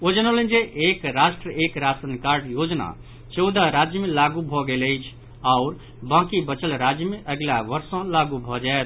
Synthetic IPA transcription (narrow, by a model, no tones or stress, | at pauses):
od͡ʒənolẽnd͡ʒeʔekɾaʃʈɾəʔekɾasənkaɾʈjod͡ʒna̰ | t͡ʃɔwd̪aɾad͡ʒjəmelaɡubʱɔɡeləjt͡ʃʰ | aʊɾ | bãkibət͡ʃəlɾad͡ʒjəmeʔəɡlaʋəɾsɔ̃laɡubʱɔd͡ʒaet̪